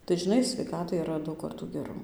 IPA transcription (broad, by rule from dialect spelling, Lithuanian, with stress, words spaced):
tɐɪ ʒʲɪˈnɐɪ sʲʋʲɛɪˈkɑːtɐɪ iːˈrɐ dɐʊk ˈkɐrtuː ɡʲɛˈrɐʊ